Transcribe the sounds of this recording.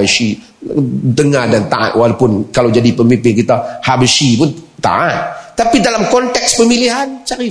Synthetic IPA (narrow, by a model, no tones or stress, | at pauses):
əʃi | dəŋadant̪a̰ʔa̰t̪̚walapʊnkalawd͡ʒadipəmimpɪŋkit̪ahabəʃipʊnt̪a̰ʔat̪̚ːapidalamkɔnt̪ɛkspəmiliɦant͡ʃaɾi